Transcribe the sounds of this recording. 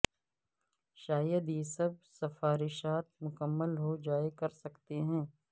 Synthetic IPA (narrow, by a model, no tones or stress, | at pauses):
ʃaːjəd̪jesɐb̚sɐfaːɾɪʃaːt̪̚mʊkəmːəlɦod͡ʒaːekɐɾsɐkt̪eɦɛ̃ː